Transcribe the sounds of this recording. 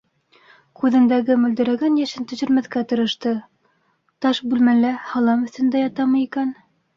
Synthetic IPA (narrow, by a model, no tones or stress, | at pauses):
kʉðɘ̆nd̪æɡɘmɵ̆ld̪ɘ̆ɾæɡænjæʃɘnt̪ɵ̆ʑɵ̆ɾmæθkæt̪ɤ̆ɾɤ̆ʃt̪ɤ | t̪ɑʃbʉlmælæhɑlˠɑmɵ̆θt̪ɵ̆nd̪æjɑt̪ɑmɤikæn